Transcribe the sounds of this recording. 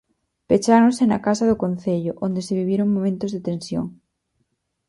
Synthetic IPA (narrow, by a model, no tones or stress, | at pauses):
pet͡ʃaɾõnsenakas̬aðokõnθeʎoʔond̪eseβiβ̞jeɾoŋmõmẽnt̪ozðet̪ensjo̰ŋ